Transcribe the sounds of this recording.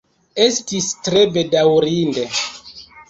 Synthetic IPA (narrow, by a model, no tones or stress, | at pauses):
e̞stistɾe̞bedawɾinde̞